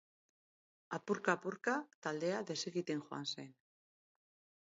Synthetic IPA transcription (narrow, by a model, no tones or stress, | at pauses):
apuɾkaːpuɾkat̪ald̪e̞aðe̞seɣit̪e̞ŋxoa̰nse̞n